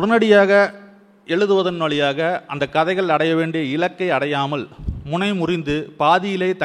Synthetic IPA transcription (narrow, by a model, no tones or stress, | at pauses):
ʊɽɐnɐɽɪjaːɣɐ | ɛɭɯðɯʋɐðɐnʋɐɭɪjaːɣɐʔɐnd̪ɐkːɐðɐɪɣɐɭɐɽɐjɐʋeːɳɖɪjɐɪlɐkːɐɪɐɽɐjaːmɐlmʊnɐɪmʊrɪnd̪ɯpaːðɪjɪlɐɪt̪ɐ